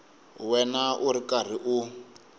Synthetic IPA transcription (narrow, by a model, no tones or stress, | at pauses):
wɛnaʔuɾikar̤iʔu